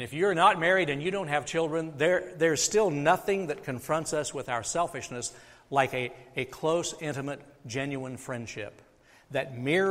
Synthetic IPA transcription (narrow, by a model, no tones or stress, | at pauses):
nɨfjə˞nət̚mɛɹiɾɨ̃njɨɾõʊ̃nt̚ɦɨv̥t͡ʃʰɪlˠdɹɨ̃nðə˞ðə˞z̥stɪlˠnʌθɪ̃ŋðɨt̚kʰɨ̃ɱfɹʌ̃ntsʌswɨðaʊə˞sɛlˠfɨʃnɨs | laɪkɨɨkʰl̥oʊsɪ̃ñtɨmɨt̚d̥ʒ̥ɛ̃njʉə̃nfɹɛ̃nd̥ʃɪ̰p̚ | ðɨt̚mɪ